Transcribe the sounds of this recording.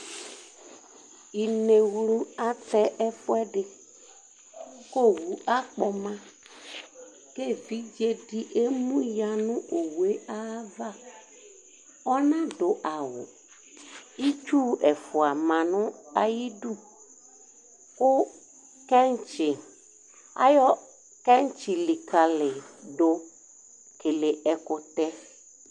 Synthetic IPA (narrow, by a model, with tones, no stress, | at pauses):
i˨ne˨wlu˦a˦t̪ɛ˦ʔɛ˦fʊ˦ɛ˦ɖɪ˨ | ko˦wu˨ʔa˦k͡pɔ˨mã˦ | ke˦vi˦d͡ʒe˦ɖi˦ʔe˦mũ˦ja˨nũ˦o˨wu˨e˦ʔa˦va˦ | ɔ˦nã˦ɖo˨ʔa˨wʊ̰˨ | i˦t͡ʃu˦ɛ˨fʊ˨a˨mã˨nʊ̃˦a˦ji˦du˦ | kʊ˦ | kɛ˦n˦t͡ʃɪ˨ | a̰˦jɔ˦ | kɛ˦n˦t͡ʃɪ˨li˨ka˨lɪ˨ɖʊ˦ | kɪ˨lɪ˨ʔɛ˨kʊ˨t̪ɛ˦